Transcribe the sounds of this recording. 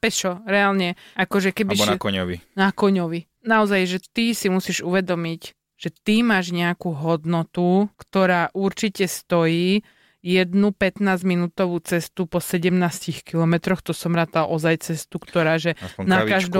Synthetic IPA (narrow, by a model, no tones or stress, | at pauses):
pɛt͡ʃɔɾɛaːlɲɛʔakɔʒɛkɛbiʃkɔɲɔʋḭnakɔɲɔʋi | naɔzajʒɛt̪isimusiːʒuʋɛd̪ɔmiɟ | ʒ̥ɛt̪imaːʒɲɛakuːɦɔd̪nɔt̪ukt̪ɔɾaːʔuɾt͡ʃicɛst̪ɔjiː | jɛd̪nupɛt̪naːzminuːt̪ɔʋuːt͡sɛst̪upɔsɛɟɛmnaːscixkilɔmɛt̪ɾɔxt̪ɔsɔmɾaːt̪alʔɔzajt͡sɛst̪ukt̪ɔɾaːʒɛnakaʒd̪ɔ